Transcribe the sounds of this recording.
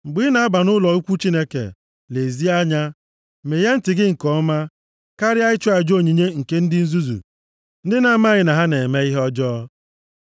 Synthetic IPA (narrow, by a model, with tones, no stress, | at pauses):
ŋ͡m̩˨ɡ͡bi˨˦na˨a˦ba˨nʊ˦lɔ˨u˦kʷu˦t͡ʃi˦ne˦kḛ˨ | le˨zi˦a˦ɲa˦ | me˨je˦n̩˦tɪ˨ɡɪ˦ŋ̩˨kɔ˦ma˦ | ka˦ɾɪ˦a˦ɪ˦t͡ʃɔ˦a˨d͡ʒo˦˨ɲi˨ɲe˦ŋ̩˨ke˦n̩˦dɪ˦n̩˦zu˦zṵ˨ | n̩˦dɪ˦na˨˦ma˦ɣɪ˨na˨ɦa˦ne˨me˦i˦ɦɔ˦d͡ʒɔː˦